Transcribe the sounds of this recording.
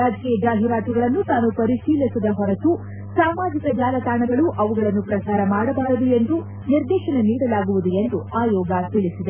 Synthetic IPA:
aːd͡ʒkijɐd͡ʒaːɦiɾaːt̪uɡɐɭɐnːut̪aːnupɐɾiʃiːlisid̪ɐɦɔɾɐt̪u | saːmaːd͡ʒikɐd͡ʒaːlɐt̪aːɳɐɡɐɭuʔɐʋuɡɐɭɐnːupɾɐsaːɾɐmaːɽɐbaːɾɐd̪ue̞nd̪u | niɾd̪ɛːʃɐneniːɽɐlaːɡuʋud̪ue̞nd̪uaːjɔːɡat̪iɭisid̪e

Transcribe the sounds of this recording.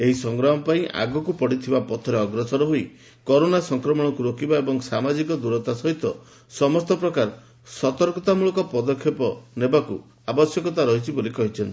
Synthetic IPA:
eɦisɔŋɡɾaɦɔpaĩʔa̰ɡɔkupɔɽit̪ʰibapɔt̪ʰɔɾeɔɡɾɔsɔɾɔɦoi | kɔɾonasɔŋkɾɔmɔɽ̃ɔkuɾokibaebɔŋsamad͡ʒikɔd̪uɾɔt̪asɔɦit̪ɔ | sɔmɔst̪ɔpɾɔkaɾ | sɔt̪ɔɾkɔt̪amuɭɔkɔpɔd̪ɔkʰːjepɔnebakṵ | abɔsjɔkɔt̪aɾɔɦit͡ʃʰibolikɔɦit͡ʃʰɔnt̪i̥

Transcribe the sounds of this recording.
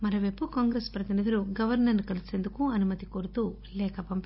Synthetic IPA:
mɐɾɐʋeːpukaːŋɡɾeːspɾɐt̪inid̪ʱɐɾuɡɐʋɐɾnɐɾnukɐliseːnd̪ukuɐnumɐt̪ikoɾut̪u | lɛːkʰɐpɐmp

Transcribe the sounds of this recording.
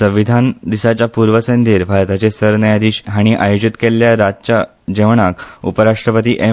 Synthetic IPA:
sə̃ʋid̪ʱand̪isat͡ɕjapuɾʋəsənd̪iːɾbʱaɾt̪at͡ɕesəɾnəjad̪iːɕɦaɽ̃iʔajod͡ʑit̪keljaɾad̪t͡ɕa | d͡ʑẽʋɳakṵpəɾaʂʈɾəpət̪iːʔe

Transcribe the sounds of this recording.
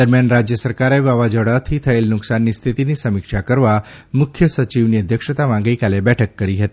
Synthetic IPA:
d̪əɾmjanɾad͡ʑjəsəɾkaɾajʋaʋad͡ʑəɽat̪ʰit̪ʰəelnuksanːiːst̪ʰit̪iniːsəmikʂakəɾʋa | mukʰjəsət͡ɕiʋniəd̪ʱjəkʂət̪aʋãŋɡikalebɛʈʰəkːəɾiːɦet̪i

